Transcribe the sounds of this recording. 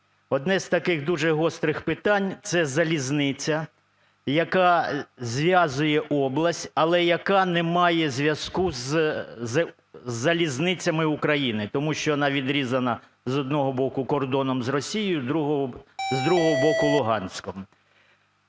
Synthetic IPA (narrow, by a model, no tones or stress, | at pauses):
ɔd̪nɛz̥ʲt̪ɐkɪɣd̪uʒɛɦɔst̪ɾɪxpɪt̪ɑnʲt̪sɛzɐlʲiznɪt͡sʲɐ | jɐkɑzʲʋʲjazʊjɛʔɔblˠɐsʲtʲɐlˠɛjɐkɑnɛmɑjɛzʲʋʲjɐskuz | zɐlʲiznɪt͡sʲɐmɪʊkɾɐjinɪt̪ɔmuʃt͡ʃɔjɔnɑʋʲid̪ɾʲizɐnɐ | zɔd̪̚nɔɦɔbɔkʊkɔrd̪ɔnɔmzrɔsʲijɪjʊd̪ɾuɦɔzd̪ɾuɦɔɦɔbɔkʊlˠʊɦɑnʲsʲkɔm